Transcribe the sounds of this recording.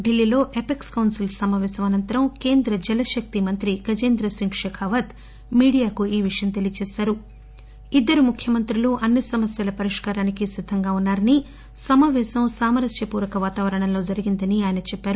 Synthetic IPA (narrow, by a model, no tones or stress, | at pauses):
ɖilːiːlo̞ːʔepekskɐwnsilsɐmaːʋɛːsɐmɐnɐnt̪ɐɾɐmke̞ːnd̪ɾɐd͡ʒɛlɐʃɐk̚t̪imɐnt̪ɾiɡɐd͡ʒeːnd̪ɾɐsiŋkʂɛkʰaːʋɐt̪ | miːɽijaːkuiːʋiʂɐjɐmt̪elijɐt͡ʃeːsaːɾu | id̪ːɐɾumukʰjɐmɐnt̪ɾiluʔɐnːisɐmɐsjɐlɐpɐɾiʂkaːɾaːnikisid̪ʱːɐŋɡaːunːaːɾɐni | sɐmaːʋɛːsɐmsaːmɐɾɐsjɐpuːɾɐkɐʋaːt̪aːʋɐɾɐɳɐnlo̞ːd͡ʒɐɾiɡind̪ɐniaːjɐnɐt͡ʃɛpːaːɾu